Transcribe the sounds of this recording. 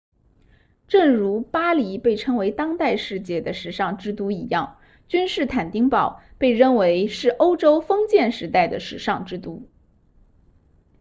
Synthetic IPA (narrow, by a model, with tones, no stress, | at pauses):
ʈ͡ʂɤ˥˩ŋɻu˧˥pa˥li˧˥pe˥˩ɪʈ͡ʂʰɤ˥ŋwe˧˥ɪt̪ɑ˥ŋt̪a˥˧ɪʂɻ̩˥˧t͡ɕjɛ˥˩d̪ə˩ʂɻ̩˨˧˥ʂɑ˥˧ŋʈ͡ʂɻ̩˥t̪u˥i˨˩jɑ˥˩ŋ | t͡ɕy˥nʂɻ̩˥˩t̪ʰa˨˩nt̪i˥ŋpɑ˨˩ʊpe˥˧ɪɻə˥˩nwe˧˥ɪʂɻ̩˥˩ʔo˥ʊʈ͡ʂo˥ʊfɤ˥ŋt͡ɕjɛ˥˩nʂɻ̩˧˥t̪a˥˩ɪd̪ə˩ʂɻ̩˨˧˩ʂɑ˥˩ŋʈ͡ʂɻ̩˥t̪u˥